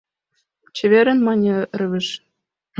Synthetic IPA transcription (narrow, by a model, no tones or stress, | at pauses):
t͡ɕɘ̆βʲeɾʲɘ̆nmɑnʲɤ̆rʲɘ̆βʲɘ̆ʃ